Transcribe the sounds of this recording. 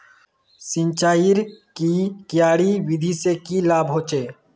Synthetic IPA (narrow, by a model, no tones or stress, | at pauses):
sɪ̃nt͡ʃaːjiɾkikjaːɽiwɪd̪ʱisekilaːbʱɦoːt͡ʃeː